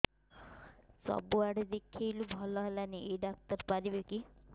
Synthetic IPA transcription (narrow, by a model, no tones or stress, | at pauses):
sɔ̰buaɽed̪ekʰːejlubʱɔlɔɦelaniʔeɖak̚t̪ɔɾpaɾibeki